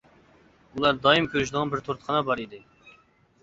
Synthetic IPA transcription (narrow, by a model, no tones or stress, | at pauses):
ulˠɑɾd̪ɑjimkʲʰøɾyʃ̬d̪əʁɑnbɪɾt̪ʰoɾt̪qʰɑnɑbɑɾid̪ɪ